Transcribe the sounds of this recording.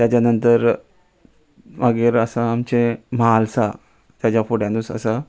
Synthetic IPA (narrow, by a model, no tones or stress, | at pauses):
t̪jat͡ɕjanənt̪əɾ | ʋaɡeɾəsaːmt͡ɕemaalsa | t̪jad͡ʑjafoɽjãd̪usə̰sa